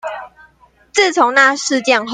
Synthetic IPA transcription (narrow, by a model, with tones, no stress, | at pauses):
t͡s̩˥˨t͡sʰʊ˧˦ŋna˥˨ʂɻ̩˥˧t͡ɕjɛ˥˨nɦ